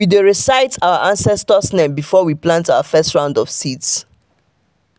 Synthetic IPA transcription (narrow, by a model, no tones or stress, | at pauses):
wideɹisaɪtʰaʊəʔãnsɛstəsnɛ̃mbifɔwiplãntaʊəfɛstɹãʊ̃ndɔfsids